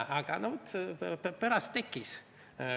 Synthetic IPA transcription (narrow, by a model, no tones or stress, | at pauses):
ɑɡ̥ɑnot̪pæɾɑst̪ːekːis